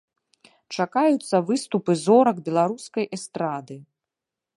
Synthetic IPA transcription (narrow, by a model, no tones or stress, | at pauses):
t͡ʂakajut̪sːɐvɨst̪upɨzɔɾɐɡbʲɛlˠaɾuskɐjʔɛst̪ɾad̪ɨ